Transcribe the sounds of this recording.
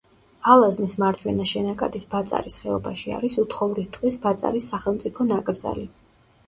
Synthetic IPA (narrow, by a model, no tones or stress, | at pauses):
alˠaznismaɾt͡ʃʰwɛnaʃɛnakʼa̰d̪isbat̪sʼa̰ɾisχɛɔbaʃia̰ɾisut̪ʰχɔvɾist̪ʼqʼisbat̪sʼa̰ɾisːaχɛlˠmt̪sʼipʰɔnakʼɾd̪za̰li